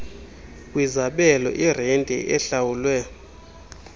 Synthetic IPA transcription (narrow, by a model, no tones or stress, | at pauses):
kʼwizaɓɛlɔ̰ʔirɛntʼɛ̰ʔɛɬawulwɛ